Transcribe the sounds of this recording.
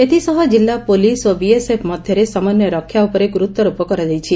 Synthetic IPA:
et̪ʰisɔɦɔd͡ʒilːapolisobiesepʰmɔd̪ʱjɔɾesɔmanjɔɾɔkʰːjaupɔɾeɡɾut̪ːɔɾupɔkɔɾad͡ʒajt͡ʃʰi

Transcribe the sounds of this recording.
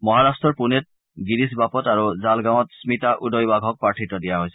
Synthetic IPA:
mɔɦaɹastɹɔɹpunɛt̚ | ɡidis̬bapɔtaɹuzalɡaw̃ɔtsmitaʔudɔjbaɡʱɔk̚paɹtʰitɔdijaɦojsɛ̥

